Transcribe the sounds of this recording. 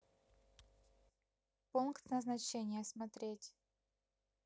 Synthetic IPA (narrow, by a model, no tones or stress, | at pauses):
punkt̪nəznɐt͡ɕenʲɪjəsmɐt̪ɾʲetʲ